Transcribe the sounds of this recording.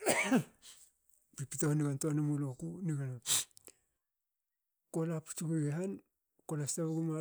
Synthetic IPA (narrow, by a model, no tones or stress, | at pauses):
pipitohniɡantonamulokuniɡana | kolapu̥t͡ʃukuɡeɦan | kolastaβaɡuma